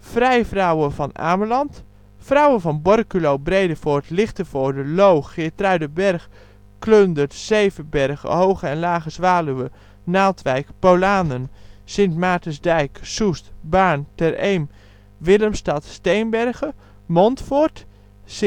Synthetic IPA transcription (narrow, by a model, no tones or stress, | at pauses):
frɛjfrawəvɔna̰ːməlɑnt | frawənvɔnbɔrkylowbrejdəfoɹtlɪxtəfoːdəlowxɪːtraɥdəbɛrx | kløndətsejvəbɛrɣə̰howχəɛnlaːɣəsʋaːlyʋə | naːtʋɛjkpowlaːnənsɪntmaːtəzdɛjksustbaːɹntɛrejm | ʋɪləmstɑtstejnbɛrɣə | mɔntfoɹt | s